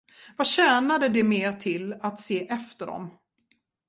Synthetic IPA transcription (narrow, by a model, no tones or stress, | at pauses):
vaɕæːnad̪əd̪ɛmeːɾʈʰɪlat̪seːʔɛft̪əɖɔ̰m